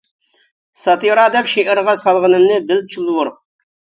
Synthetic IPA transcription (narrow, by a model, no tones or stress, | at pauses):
sɑt̪iɾɑd̪ɛpʃeʔɪɾʁɑsɑlˠʁənɨmnɨbɪlt͡ʃʰulˠwʊɾ